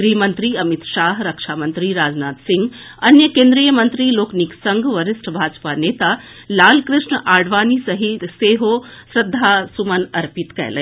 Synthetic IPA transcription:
ɡɾiːmənt̪ɾiɐmit̪ʃaːɦɾɐkʂaːmənt̪ɾiɾaːd͡znaːt̪siŋɡ | ɐnjəkẽːnd̪ɾijəmɐnt̪ɾiloːkniksɐŋɡʱʋɐɾɪsʈʰbʱaːd͡ʒpaneːt̪alaːlkɾɪʂɳəʔaːɖʋaːnisɐɦit̪seːɦoːsɾɐd̪ʱːaːsumɐnɐɾpit̪kɛ̰jlə̰

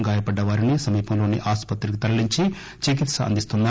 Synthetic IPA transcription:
ɡaːjɐpɐɖːɐʋaːɾinisɐmiːpʰɐmlo̞ːnḭʔaːspɐt̪ɾikit̪ɐlɐliɲt͡ʃi | t͡ʃik̬it̪sɐɐ̰nd̪ist̪und̪a

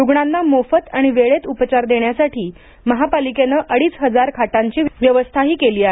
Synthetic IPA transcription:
juɡɳanːamofət̪aɽ̃iʋeɭet̪upət͡ɕaɾd̪eɳjasaʈʰiː | məɦapalikenəʔəɽiːsɦəd͡zaɾkʰaʈaɲt͡ɕiːʋjəʋəst̪ʰaɦiːkeliːaɦe

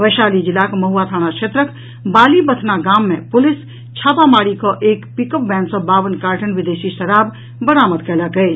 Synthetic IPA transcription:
ʋəːʃaːlid͡ʒɪlaːkmɐɦuːat̪ʰaːɽ̃akʃʰeːt̪ɾək | baːlibət̪ʰnaɡaːmːẽpʊlɪs | t͡ʃʰaːpamaːɽikɔʔeːkpikəp̚bɛ̃ːnsɔ̃baːʋənkaːɾʈʰənʋɪd̪eːʃiʃɐɾaːb | bəɾaːməd̪kələkəe

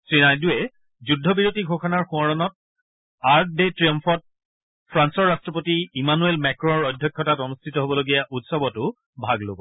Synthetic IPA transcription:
sɹinajduɛ | zudʱːɔbiɹotiɡʱɔxɔnaɹxuɔɹɔnɔt̚ | aɹk̚detɹijɔmpɔt̚ | pʰɹansɔɹːastɹɔpotiimanuelmɛkɹɔɔɹɔjdʱjɔkʰːjɔtatɔnustʰitɔɦobɔloɡijaʔutsɔbɔtʊ | bʱaɡlo̰bɔ

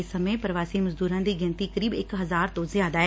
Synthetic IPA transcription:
ɪsːəmepəɾəʋaːsiːməzd̪uːɾãːd̪iːɡɪnt̪iːkəɾiːbɪkɦəzaːɾt̪õzjaːd̪aːɛ

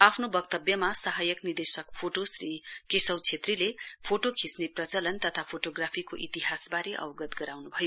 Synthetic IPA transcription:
apʰnobʌkt̪ʌbjʌmasaɦajʌknird̪esʌkpʰoʈosrikesʌwt͡sʰet̪rilepʰoʈokʰisneprʌt͡sʌlʌnt̪ʌt̪ʰapʰoʈoɡrapʰikoʔit̪iɦasbaɾeʔʌ̰wɡʌt̪ɡʌɾawnubʱʌjo

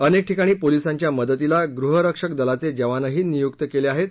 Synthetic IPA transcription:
ənek̚ʈʰikaɽ̃iːpolisãɲt͡ɕjaməd̪ət̪ilaɡɾuɦəɾəkʂək̚d̪əlat͡sed͡ʑəʋanəɦiːnijukt̪əkeleaɦet̪̚

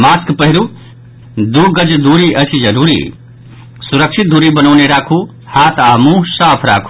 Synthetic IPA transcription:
maːskpəɦiɾu | d̪uɡəd͡ʒd̪uɾiʔət͡ʃʰid͡ʒəɾuːɾḭ | suɾəkʃʰit̪̚d̪uːɾibənəneɾaːkʰu | haːt̪aːmũsaːpʰɾa̰ːkʰu̥

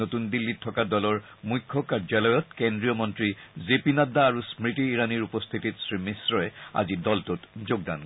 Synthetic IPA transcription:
otundilːitʰɔkadɔlɔɹ | mujkʰːɔkaɹd͡ʒalɔjɔtkendɹijɔmɔntɹizepinadaːɹusmɹitiːɹaniɹupɔst̪ʰititsɹimisɹɔɛa̰zidɔltotzoɡ̚da̰n

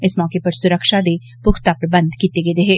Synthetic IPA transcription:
ɪsmɔːkepɐɾsʊɾəkʃad̪e | pʊkʰt̪apɾəbə̃nd̪ʱkiːt̪eɡeːd̪eɦeː

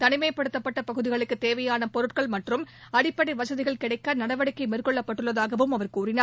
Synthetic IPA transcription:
t̪ɐnɪmɐɪpɐɽɯt̪ːɐpːɐʈːɐpɐɣɯðɪɣɐɭɯkːɯt̪eːʋɐjaːnɐpɔɾɯʈkɐɭmɐʈrɯmɐɽɪpːɐɽiʋɐsɐðɪɣɐɭkɪɽɐɪkːanɐɽɐʋɐɽɪkːɐɪmeːrkɔɭːɐpːɐʈːɯɭːɐðaːɣɐʋɯmɐʋɐɾkuːrɪnaː

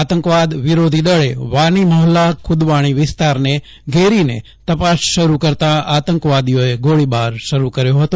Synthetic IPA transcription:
at̪əŋkʋad̪ʋiɾod̪ʱid̪əɭeʋaɳ̃iməɦlakʰʊd̪ʋaɽ̃iʋɪst̪aɾne | ɡʱeɾine | t̪əpasʃəɾukəɾt̪aat̪əŋkʋad̪ijoeɡoɭibaɾʃəɾukəɾjoɦət̪o

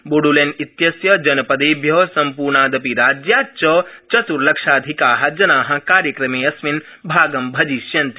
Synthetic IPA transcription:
boɽulenit̪jɐsjɐd͡ʒɐnɐpɐd̪eːbʱjɐsɐmpuːɾɳaːd̪ɐpiɾaːd͡ʒjaːt͡ʃɐt͡ʃɐt̪uɾlɐkʂaːd̪ʱikaːɦɐd͡ʒɐnaːɦɐ̆kaːɾjɐkɾɐmeːɐsʋin | bʱaːɡɐmbʱɐd͡ʒiʃjɐnt̪i

